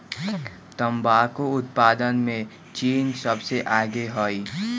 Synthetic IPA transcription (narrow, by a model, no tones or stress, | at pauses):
t̪əmbaːkoʊt̪̚paːd̪ənmẽ | t͡ʃiːnsəbseʔaːɡeɦoːi